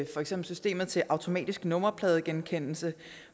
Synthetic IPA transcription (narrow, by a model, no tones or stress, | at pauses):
fɒ̽eɡ̥semb̥l̩sysd̥e̝̰ːmð̞̩ˠt͡sʰe̝ʔɑ̈ʊt͡sʰo̝mɛ̰ːd̥isɡ̥nɔ̽mɐpʰlɛːð̞ˠəɡ̥enkʰen̰l̩sə